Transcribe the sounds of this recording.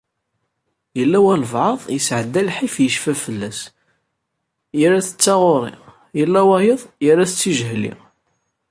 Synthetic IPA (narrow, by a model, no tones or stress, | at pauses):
jəlːæwælvʕɑðˤjəsʕəd̪ːælħifjəʃfæfəlːæs | jəɾæθə̥t͡sːɑʁoɾˤḭ | jəlːæwæjəðˤjəɾæθət͡sːiʒhlḭ